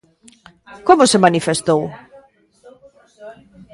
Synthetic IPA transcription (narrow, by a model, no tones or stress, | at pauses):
komʊsemanifest̪ow